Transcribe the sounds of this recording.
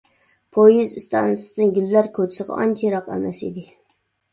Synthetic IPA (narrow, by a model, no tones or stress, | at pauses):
pʰojizɨst̪ʰɑnɨsd̪ɪnɡʲylːæɾkʰot͡ʃ̪ʰɪ̥sɨʁɑ̰ʔɒnt͡ʃʰeɾɑqæ̰mæsḭd̪ɪ